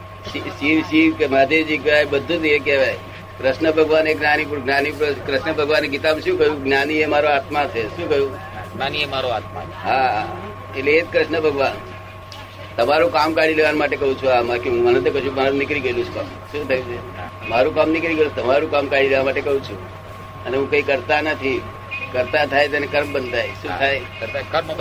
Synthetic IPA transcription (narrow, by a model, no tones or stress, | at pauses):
ʃiʃiʋʃiʋkemad̪ed͡ʒikʋajbəd̪ʱːũd͡ʒekeʋaj | kɾəʃnəbʱəɡʋaneɡnanip̬uɾɡnanipkɾɪʃnəbʱəɡʋaneɡit̪amʃũːkəɦjũɡnaniemaɾoat̪mat̪ʰeʃũkəɦjũ | ɡnaniemaɾoat̪ma̰ | ɦaɦa | eʈleet̪̚kɾəʃnəbʱəɡʋan | t̪əmaɾukamkaɾileʋanmaʈekəɦũt͡ʃʰuɦamakeɦũmənẽt̪okəʃũkmaɾũnɪkɾiɡəlũt͡ʃʰkam | ʃũt̪ʰəjũt͡ʃʰe | maɾũkamnɪkɾiɡəlũt̪əmaɾũkamkaɾileʋamaʈekəɦũt͡ʃʰṵ̃ | əneɦũkəikəɾt̪anət̪ʰi | kəɾt̪at̪ʰajt̪̬enekəɾmbənd̪ʱajʃũajkət̪akəɾm